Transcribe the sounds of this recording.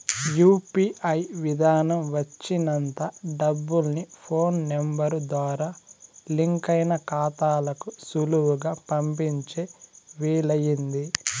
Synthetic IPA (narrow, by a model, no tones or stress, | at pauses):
juːpiːʔɐjʋid̪ʱaːnɐmʋɐt͡ʃːinɐnt̪ɐɖɐbːulnipʰo̞ːnːembɐɾud̪ʋaːɾaːliŋkɐjnɐkaːt̪aːlɐkusuluʋuɡaːpɐmpiɲt͡ʃeːʋiːlɐjind̪i